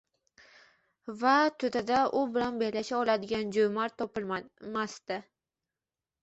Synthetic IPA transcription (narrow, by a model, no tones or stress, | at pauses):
vat̪ʰʊd̪ad̪aʔʊbɪlanbelaʃaɒlad̪ɪɡʲand͡ʒojmaɾt̪ʰɒpɪlmamast̪ɪ